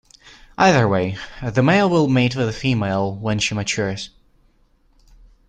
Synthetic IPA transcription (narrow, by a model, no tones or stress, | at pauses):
ʔaɪðə˞weɪðəmeɪlˠwɪlˠmeɪtwəðəfimeɪlˠwə̃nʃimət͡ʃʰʊɹz̥